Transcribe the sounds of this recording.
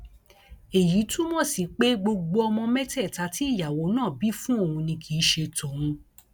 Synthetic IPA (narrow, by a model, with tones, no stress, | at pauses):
e˨ji˨˦tũ˦mɔ̃˦˨si˨˦k͡pe˦ɡ͡bo˧ɡ͡bo˧ɔ˧mɔ̃˧mɛ˦tɛ˦˨ta˧˦ti˦i˦˨ja˨wo˨˦nãː˦˨bi˨˦fũ˦o˦˨hũ˧nĩ˧kʰi˨˦ʃe˧tõ˨˦ũ˧